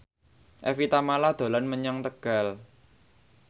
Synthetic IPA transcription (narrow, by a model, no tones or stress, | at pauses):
ʔɛfit̪amalad̪̥o̤lanməɲɔŋt̪əɡ̥a̤l